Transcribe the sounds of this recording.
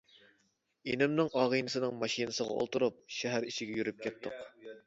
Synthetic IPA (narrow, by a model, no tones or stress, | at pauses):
enɪmnɨŋɑːʁijnɨsɨnɨŋmɑʃinɨsəʁɑ̰o̰lˠt̪uɾup̚ʃɛɦæɾiʃɪɡʲɛjyɾyp̚kʲʰɛt̪ʰːʊq